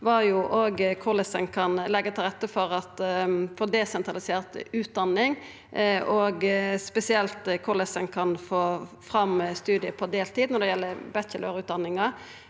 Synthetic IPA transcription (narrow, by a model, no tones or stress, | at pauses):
ʋɑjʊʔoɡkʰʊləsənkʰɑnlɛɡːət̪ʰɪlʁɛt̪ːəfɔɾɑt̪foːd̪ɛsɛnt̪ʁɑlɪseːʁt̪ʉːt̪̚d̪ɑnːɪŋ | ɔːɡspɛsɪɛlt̪kʰʊləsənkʰɑnfoː | fʁɑmst̪ʉːd̪ɪəpʰɔd̪eːlt̪ʰiːd̪nɔd̪ɛjɛlːəbɛçəløːɾʉːt̪̚d̪ɑnːɪŋɑ